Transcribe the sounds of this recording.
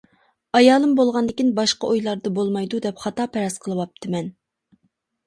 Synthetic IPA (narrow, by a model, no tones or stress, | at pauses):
ɑjɑːlˠɨmbolˠʁɑnd̪ɪkʲinbɑʃqɑʔojlˠɑɾd̪ɑbolˠmɑjd̪ud̪ɛpχɑt̪ɑːpʰɛɾɑsqʰəlˠɨwɑp̚t̪ʰɨmɛn